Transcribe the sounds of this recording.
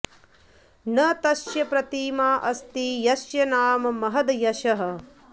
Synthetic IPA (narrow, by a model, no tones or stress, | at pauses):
nɐt̪ɐʃjɐpɾɐt̪iːmaːʔɐst̪ijɐʃjɐnaːmɐmɐɦɐd̪jɐʃɐɦɐ̆